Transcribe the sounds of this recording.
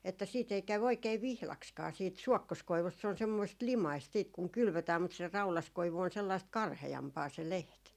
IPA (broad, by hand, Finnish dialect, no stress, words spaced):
etːæ siːt ei kæw oikeː ʋihlɑkskɑː siːt suɔkːoskoiʋust se on semːoist limɑist siːt kuŋ kylʋøtæːm mut se rɑulɑskoiʋu on selːɑist kɑrheɑmpɑː se leht